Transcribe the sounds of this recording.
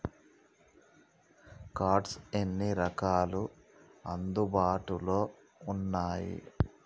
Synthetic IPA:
kaːʈsenːiɾɐkaːlu | ɐnd̪ubaːʈulo̞ː | unːaːjḭ

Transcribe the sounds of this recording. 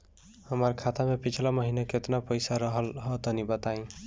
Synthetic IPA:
həməɾkʰat̪amepit͡ʃʰlaməɦinaket̪napəjsaɾəɦəlɦʌt̪ənibət̪aĩ

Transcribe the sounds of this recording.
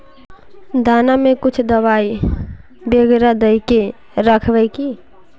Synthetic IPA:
d̪ʱaːnamẽkʊt͡ʃʰd̪əwaːi | beɡɾad̪əɪke | ɾəkʰʋɛjki

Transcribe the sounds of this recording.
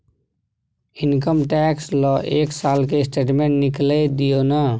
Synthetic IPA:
ɪnkəmʈɛːkslɔːʔeːksaːlkesʈeːʈmẽɳʈnɪkled̪ijonə

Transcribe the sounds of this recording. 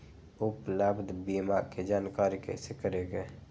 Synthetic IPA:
upləbd̪ʱbimaked͡ʒaːnkaɾikḛsekəɾeɡe

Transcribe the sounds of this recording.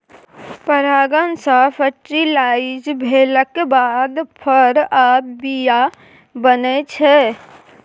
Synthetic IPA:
pəɾaɡənsə̃pʰəʈɾilaid͡ʒbʱeləkːebad̪pʰəɾabija | bənɛt͡ʃʰɛ

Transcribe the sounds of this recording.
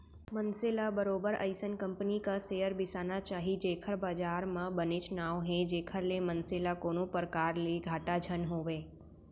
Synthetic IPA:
mənselabəɾobəɾə̰ɪjsənkəmpnikasejəɾbɪsanat͡ʃaːɦid͡ʒekʰəɾbaːd͡ʒaɾmãbənet͡ʃnaʋɦẽd͡ʒekʰəɾlemənselakonopəɾkaɾleɡʱaːʈad͡ʒʱənɦoʋe

